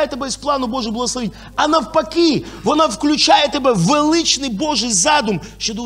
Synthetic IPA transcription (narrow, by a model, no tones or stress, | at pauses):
jɛt̪ɐbɛsplˠanʊbɔʐɨxblˠɐɣɐsˠɐʋʲenʲ | ɐnɐwpɐkʲivɔnafklʲʊt͡ʃajɛt̪ɐbɛvɪlˠɪt͡ʃnɨjboʐɨjzad̪ʊmʃod̪ɔ